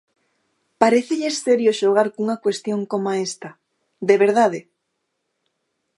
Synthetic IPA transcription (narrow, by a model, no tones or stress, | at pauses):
paɾeθeʎeeseɾjoʃoɣ̞aɾkuŋakwest̪joŋkomaest̪ɐ | d̪eβeɾðaðe